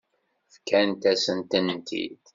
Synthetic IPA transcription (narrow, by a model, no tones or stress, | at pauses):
fkænt̪æsənt̪ənt̪ḭd̪